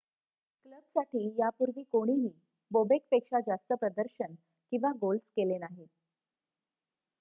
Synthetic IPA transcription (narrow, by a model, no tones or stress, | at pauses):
kləbsaʈiːjapuɾʋiːkoɽ̃iɦiː | bobek̚pekʂad͡zast̪əpɾəd̪əɾɕən | kĩw̃ʋaɡolskelenaɦi